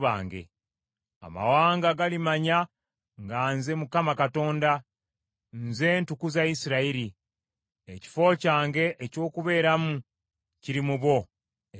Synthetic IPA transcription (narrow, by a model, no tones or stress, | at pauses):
βa̰ːŋɡḛ | a̰ma̰waːŋɡaɡalimaɲa | ŋɡaːnze̞mukamakato̞ːnda | nze̞ːntukuzaisiɾaiɾi | eci̥fo̞ːcaːŋɡe̞ʔeco̞ːkuβe̞ːɾamu | ciɾimuβwo̞